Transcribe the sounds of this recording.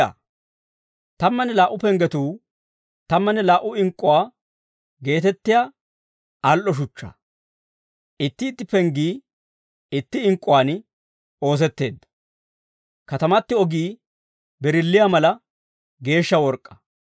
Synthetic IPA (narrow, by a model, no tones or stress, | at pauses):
t̪ɐmːɐnɛlaːʔʊpɛŋɡɛt̪uː | t̪ɐmːɐnɛlaːʔʊɪŋkʼːʊwaː | ɡe̞ːt̪ɛt̪ːɪjaː | ɐlʔɔʃ̬ʊt͡ʃːɐ̰ | ʔɪt̪ːɪːt̪ːɪpɛŋɡiː | ɪt̪ːɪɪŋkʼːʊwaːn | o̞ːs̬ɛt̪ːe̞ːd̪ːɐ̥ | kɐt̪ɐmɐt̪ːɪɔɡiː | bɛɾɪlːɪjamɐlɐ | ɡe̞ːʃːɐwɔɾkʼːɐ̥